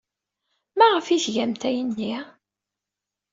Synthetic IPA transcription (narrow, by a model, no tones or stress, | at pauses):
mæʁəfiθʝæmt̪æjənːi